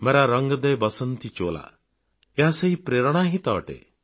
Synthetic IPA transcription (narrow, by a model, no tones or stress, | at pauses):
meɾaɾəŋɡɔd̪ejbɔsɔnt̪it͡ʃola̰ | eɦaseɦipɾeɾɔɽ̃aɦit̪aɔʈḛ